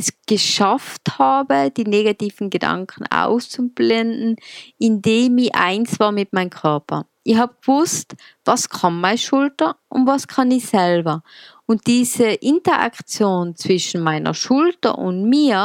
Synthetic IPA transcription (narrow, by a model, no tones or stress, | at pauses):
ɛsɡ̥əʃafthaːbəd̥iːneːɡatiːvn̩ɡəda̰ŋkʰn̩a̰ʊst͡sub̥lɛndn̩ɪndeːmɪçʔa̰ɪnsv̥aːmɪt̚maɪnkʰœɐpɐ̰ | ʔɪçhaːbəɡ̥v̥ʊst | vaskʰɔmmaɪʃʊltɐʔʊntvaskʰanɪçsɛlbɐ | ʊnt̚d̥iːzəʔɪntɐʔa̰kt͡sjoːnt͡sv̥ɪʃn̩maɪnɐ̰ʃʊltɐ̰ʔʊ̰ntmiːɐ